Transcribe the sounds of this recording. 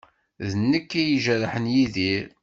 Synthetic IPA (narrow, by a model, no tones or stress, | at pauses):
ðənːəkːæjiʒæɾħənjiðiɾ